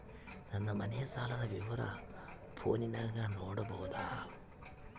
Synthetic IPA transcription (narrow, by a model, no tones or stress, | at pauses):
nɐnːɐmɐnɛjɐsaːlɐdɐʋiʋɐɾɐ̰ | pʰoːninaːɡaːnoːɽɐbɐwud̪aː